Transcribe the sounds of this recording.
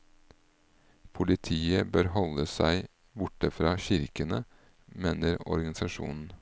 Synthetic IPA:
pʰʊlɪt̪ʰiːəbøːɾhɔləsæ̰ɪ | bʊʈəfɾɑːçɪɾkənə | meːnəɾɔ̰ɾɡɑnɪsɑʂṵːnn̩

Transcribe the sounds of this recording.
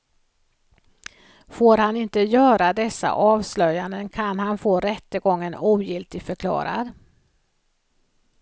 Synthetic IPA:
foːɾhanɪnt̪əjœːɾad̪ɛsːa̰ʔɑːvslœjːand̪ənkʰanhanfoːɾɛt̪ːəɡɔŋːənuːjɪlt̪ɪɡfœɾkʰlɑ̰ːɾa̰ɾ

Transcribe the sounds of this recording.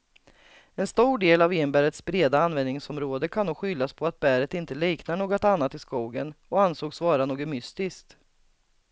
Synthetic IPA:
ɛnst̪uːɖeːlavɪnːəmbæːɾət̪sbɾeːd̪aanvɛnnɪŋsɔmɾoːd̪əkʰanoːkɧʏlːaspʰɔat̪̚bæɾət̪ɪnt̪əliːknaɳoːɡɔt̪anːat̪ɪskuːɡənɔansoːɡsvɑːɾanoːɡɔmʏst̪ɪskt̪

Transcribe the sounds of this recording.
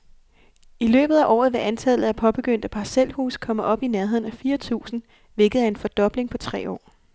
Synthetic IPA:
ilø̰ːb̥ð̩ˠæʔɒ̰ːð̩ˠʋe̝ʔænt͡sʰælð̩ˠæpʰɒ̽b̥e̝ɡ̥øn̰d̥əpʰɑ̈sel̰hṵːskʰɒ̽məʔɒ̽b̥ineɐɦe̝ð̞̰ˠn̩æfiːɐt͡sʰṵːsn̩ | ʋe̝ɡ̥ð̩ˠæe̝nfɒ̽d̥ɒ̽b̥le̝ŋpʰɒ̽t͡sʰʁɛ̰ːɒ̰ː

